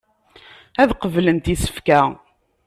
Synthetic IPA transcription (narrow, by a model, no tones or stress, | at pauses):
æðqəvlənt̪isə̥fkæ